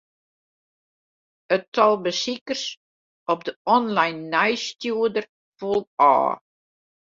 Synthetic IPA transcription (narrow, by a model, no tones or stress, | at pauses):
ətɔlˠbəsikərs | ɔp̚dəɔnlajnːɛjstjuədər | fulˠɑ̰ː